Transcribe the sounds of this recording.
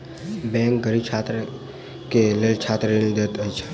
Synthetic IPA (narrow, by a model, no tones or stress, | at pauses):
bɛ̃ŋkɡəɾib̚t͡ʃʰaːt̪ɾə | kelelt͡ʃʰat̪ɾenid̪et̪əjt͡ʃʰe̥